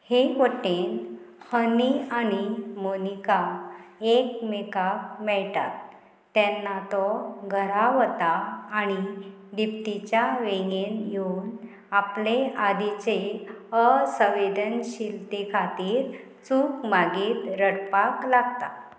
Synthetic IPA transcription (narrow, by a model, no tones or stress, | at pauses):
hekəʈen | hənianimonikaekmekakmɛɭt̪at̪ː | ɛ̃nːat̪ɔɡʱəɾaʋt̪aːñi | d̪ipt̪it͡ɕjaʋeŋɡenjon | aplead̪it͡ɕeəsəʋed̪ənɕilt̪ekʰat̪iːɾ | t͡suːkmaɡiːt̪ɾəɽpaklaɡt̪a̰